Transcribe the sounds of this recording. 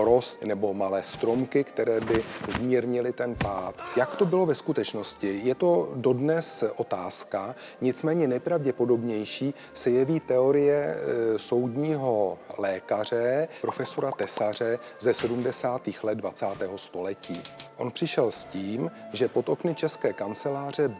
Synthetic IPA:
ɾosnɛbo̞malɛːst̪ɾo̞mkɪkt̪ɛɾɛːbɪzmiːɾɲɪlɪt̪ɛnpaːt̪jakt̪o̞bɪlo̞vɛskut̪ɛt͡ʃno̞scɪjɛt̪o̞do̞dnɛsʔo̞t̪aːskaɲɪt͡smɛːɲɛnɛjpɾavɟɛpo̞do̞bɲɛjʃiː | sɛjɛviːt̪ɛo̞ɾɪjɛso̞wdɲiːɦo̞lɛːkar̝ɛpɾo̞fɛso̞ɾat̪ɛsar̝ɛ | zɛsɛdumdɛsaːt̪iːxlɛd̪̚dvat͡saːt̪ɛːɦo̞st̪o̞lɛciːʔo̞npr̝̥ɪʃɛlsciːmʒɛpo̞t̪o̞knɪt͡ʃɛskɛːkant͡sɛlaːr̝ɛ

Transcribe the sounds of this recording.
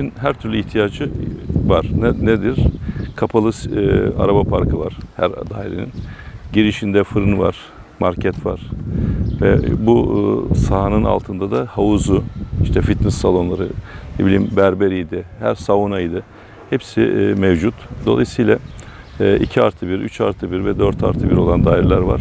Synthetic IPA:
inɦæɾt̪ʰyɾlʲyiçt̪ʰijaːd͡ʒɯvaɾ̥nned̪iɾkʰapʰalˠɯsa̰ɾabapʰaɾkʰɯva̰ɾ̥hæ̰ɾad̪aːiɾenḭnɟiɾiʃind̪ɛfɯɾɯnva̰ɾ̥ | maɾcʰɛt̪va̰ɾ̥ | vɛ̰busaɦanɯna̰lˠt̪ʰɯnd̪ad̪ahauzuiʃt̪ʰɛfit̪nisːalˠo̞nlˠaɾɯnebilʲiːmbæɾbeɾid̪ɛhæɾsavunajid̪ɯ | hɛpsɪ̰mɛvd͡ʒut̪d̪o̞̰lˠa̰jɯsɯjlʲˠa | ʔicʰiaɾt̪ʰɯbiɾyt͡ʃʰaɾt̪ʰɯbiɾvɛd̪øɾt̪ʰa̰ɾt̪ʰɯbiɾo̞lˠand̪aːjɾlʲæɾva̰ɾ̥

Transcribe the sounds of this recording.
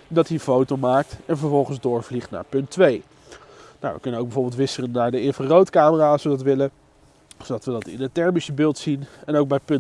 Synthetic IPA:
ndɑtiəfowtowmaːk̚tɛnvəɹvɔlˠχənzdʊːɹvliχtna̰ːɹpɵntʋej | na̰wʋə̰kɵnənowɡ̚bɛjvoːɹbɪlˠtʋɪsərənːaːɹdəɪfərowtkaːməraːsʋədɑtʋɪlə | sowdɑtʋədɑtɪ̰nətɛɹmisəbɪːlˠtsinɛnowɡ̚bɛjpɵn

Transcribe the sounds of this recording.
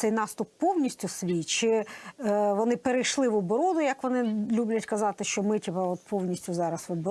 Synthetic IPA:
sɛjnɑst̪ʊpːɔwnʲisʲtʲʊsʋʲijt͡ʃɪ | ʋɔnɪpeɾejʃlˠɪʋɔbɔɾɔd̪ʊjɐkʋɔnɪlʲublʲɐtʲkɐzɑt̪ɪʃt͡ʃɔmɪtʲipɛɔt̪̚pʰɔwnʲisʲtʲʊzɑɾɐsʋɔbɔ

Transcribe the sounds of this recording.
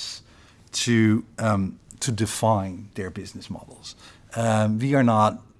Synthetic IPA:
s | tʰɨ | tʰɨdɨfãɪ̃nðə˞bɪznɨsmɑ̰dl̩ˠz̥ | wiə˞nət̚

